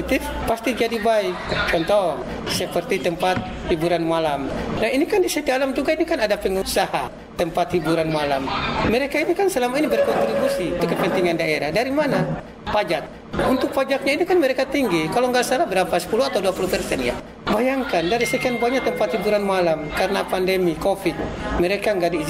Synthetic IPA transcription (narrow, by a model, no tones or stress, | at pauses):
it̪ɪfpast̪id͡ʒadibaik̚t͡ʃɔnt̪ɔŋ | səpərt̪it̪əmpat̪̚ | hibuɾanmalamnaɦinikandisat̪ialamd͡ʒuɡainikanadapəŋusaha | t̪əmpat̪hibuɾanmala̰mməɾekainikansəlamainibərkɔnt̪ɾibusit̪ukːəpɛnt̪iŋandaeɾahdaɾimana | pad͡ʒak̚ | unt̪ʊk̚pad͡ʒak̚ɲainikanməɾekat̪iŋɡikaloŋɡasalabəɾapasə̥puluat̪awduapulupɛrsɛnja̰ | bajaŋkandaɾisəkanbaɲak̚t̪əmpat̪hibuɾanmalamkaɾənapandɛmikofit̪̚məɾekaŋɡaʔdiːd͡ʒ